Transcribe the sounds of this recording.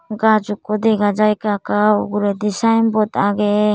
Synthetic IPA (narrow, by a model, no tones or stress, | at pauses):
ɡad͡ʒukːɔd̪ɛɡad͡ʒajkakauɡuɾɛd̪isajnbɔt̪aɡɛ